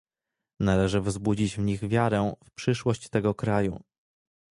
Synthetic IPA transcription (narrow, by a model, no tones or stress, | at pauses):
nalɛʐɘvzbud͡ʑid͡ʑvɲiɣvʲjaɾɛfpʂɘʂwɔɕt͡ɕt̪ɛɡɔkɾajṵ